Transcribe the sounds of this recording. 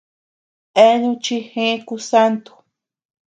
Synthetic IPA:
e˦ɲũ˧t͡ʃi˧hẽ˦ku˧sa˦nt̪u̥˨

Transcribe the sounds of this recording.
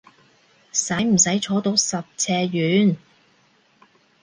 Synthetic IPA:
sɐ˨˥jm̩˨˩sɐ˨˥jt͡ʃʰɔː˨˥t̪o˧wsɐ˨p̚t͡sʰɛː˧jyː˨˥n

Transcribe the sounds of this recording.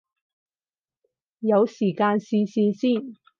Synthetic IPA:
jɐ˨˧wsiː˨˩kaː˧nsiː˧siː˧siː˥˩n

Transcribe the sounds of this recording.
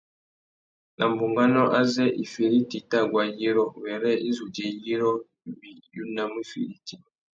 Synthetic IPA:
na˨m̩˨bu˨ŋɡa˦nɔ˦ʔa˦zɛ˦ʔi˨fi˨ɾi˦ti˨ta˦˨ɡwa˨ji˦ɾɔ˦wɛ˨ɾɛ˦i˦zu˨d͡ʒɛ˨ji˦ɾɔ˦ | bi˨ju˦na˦m˦u˦fḭ˨ɾi˦ti˨

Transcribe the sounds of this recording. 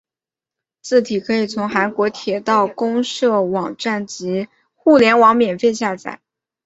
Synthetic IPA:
t͡sʰɹ̩˥˩t̪ʰi˨˩kʰɤ˧˥i˨˩t͡sʰʊ˧˥ŋxa˧˥nkwɔ˧˥t̪ʰjɛ˨˩t̪ɑ˥˩ʊkʊ˥ŋʂɤ˥˩wɑ˨˩ŋʈ͡ʂa˥˩nt͡ɕi˧˥ | xu˥˩ljɛ˧˥nwɑ˧˥ŋmjɛ˨˩nfe˥˧ɪɕja˥˧t͡sa̰˨˩˦

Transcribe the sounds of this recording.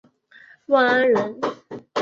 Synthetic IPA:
wa˥˧ŋa˥nɻə˧˥n

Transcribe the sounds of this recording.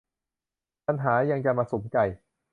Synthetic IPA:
pa˧nɦaː˩˦ja˧ŋt͡ɕa˧maː˧su˨˩˦mka˨˩j

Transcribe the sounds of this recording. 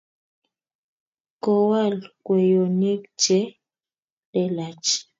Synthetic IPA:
kɔ˨wa˦˨lkwɛ˨jo˨ne˦k̚t͡ʃɛ˦ | ɗɛ˦˨la˨t͡ʃ

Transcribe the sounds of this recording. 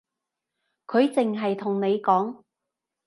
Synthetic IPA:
kʰɵ˨˧ɥt͡sɪ˨ŋɦɐ˨jt̪ʰʊ˨˩ŋne˨˧jkɔː˨˥ŋ

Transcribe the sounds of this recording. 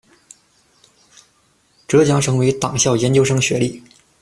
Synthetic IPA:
ʈ͡ʂɤ˧˥t͡ɕjɑ˧˥ŋʈ͡ʂʰɤ˧˥ŋwe˧˥ɪt̪ɑ˨˩ŋɕjɑ˥˩ʊjɛ˧˥nt͡ɕjo˥ʊʂɤ˥ŋɕɥɛ˧˥li˥˩

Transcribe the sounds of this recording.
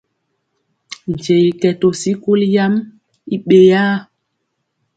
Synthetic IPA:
n˨d͡ʒe˨jkɛ˨to˨si˦ku˦lja˦m | i˦ɓe˨ja˦

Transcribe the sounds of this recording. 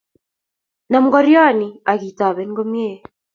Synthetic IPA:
na˨m̩˦ɡɔ˦ɾja˦nia˨ɣi˨t̪a˨βɛ˦nɡo˦mje˦

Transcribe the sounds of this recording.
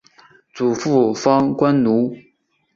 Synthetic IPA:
t͡su˨˩fu˥˩fɑ˥ŋkwa˥nnu˧˥

